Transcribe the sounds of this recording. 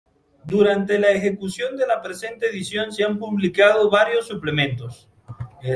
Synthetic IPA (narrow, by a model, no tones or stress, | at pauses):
d̪uɾant̪e̞laexe̞kusjo̞nd̪e̞lapɾe̞se̞nt̪eːðisjo̞nseampuβlikað̞o̞βaɾjo̞sːuple̞mẽ̞nt̪o̞s